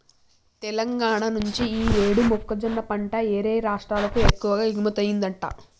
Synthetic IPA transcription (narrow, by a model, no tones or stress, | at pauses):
t̪ɛlɐŋɡaːɳanuɲt͡ʃiiːeːɽumokːɐd͡ʒɐnːɐpɐɳʈɐeːɾeːɾaːʂʈɾaːlɐkuekːuʋɐɡaːiɡmɐt̪ɐjind̪ɐɳʈa̰ː